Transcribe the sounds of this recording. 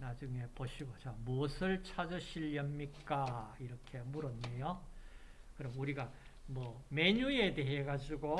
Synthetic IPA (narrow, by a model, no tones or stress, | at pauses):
nad͡ʑuŋe̞poɕʰiɡot͡ɕamuʌsʰɯɭt͡ɕʰad͡ʑʌɕʰiʎːʌmɲik͈aiɾʌkʰe̞muɾʌnːejo | kɯɾʌmuɾiɡa | mwʌme̞ɲue̞de̞ɦe̞ɡad͡ʑuɡo